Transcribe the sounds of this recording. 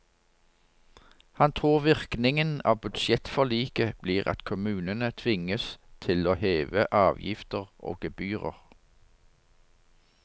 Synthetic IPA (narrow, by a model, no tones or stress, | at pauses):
hɑnt̪ʰʁuːʁʋɪʁknɪŋənɑ̰ːʋbʉd̪ʃjɛt̪fɔʁliːkəb̥liːʁɑ̰t̪kʰʊmʉːnənət̪ʰʋɪŋəst̪ʰɪloːheːʋəʔɑːʋjɪ̰ft̪əʁʔo̰ːɡ̥əbyːʁə̰ʁ